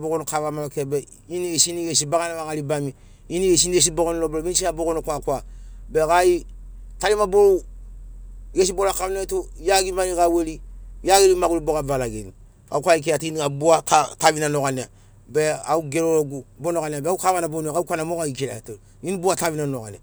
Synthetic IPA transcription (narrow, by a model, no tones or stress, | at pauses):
boɡonokavamalokebe | iniesiiniɡesibaɡanamakalibami | iniesinies̬iboɡonloboloinsiaboɡonokakwabekaji | talimaboɾo | ɡes̬ibolakanetu | jaɡimanikawelijaɡelimaɡuluboɣavalaɡḛnḭ | ka̰ukʷaik̬elatiiniɡabuatatavinanoɣania | beauɡeɾoloɡubonokaniabeaukavanabonakaukʷanamokaikela̰to | inibuatavinanoɡa̰nia